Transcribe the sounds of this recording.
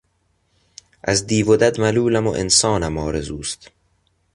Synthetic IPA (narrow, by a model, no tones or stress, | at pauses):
ʔæzd̪iːvod̪æd̪mæluːlæmo̰ʔḛnsɒːnæmɒːɾe̞zuːst̪